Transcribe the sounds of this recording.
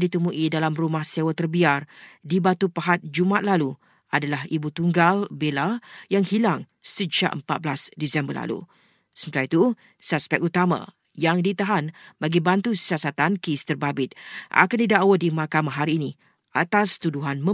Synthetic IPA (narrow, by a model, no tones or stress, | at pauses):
dit̪əmuʔidalamrumahsewət̪ərbiardibat̪upaɦat̪̚d͡ʒumat̪̚lalu | adalahibut̪uŋɡalbelajaŋhilaŋ | səd͡ʒa̰ʔəmpat̪̚blasdisɛmbərla̰lṵ | sənt̪iɾait̪u | saspɛk̚ut̪amã̰ | jaŋdit̪aɦanbaɡibant̪usiasat̪ankəist̪ərbabɪt̪̚ʔa̰kandidaʔwədimakamãɦaɾiːni | at̪ast̪uduɦanmə̃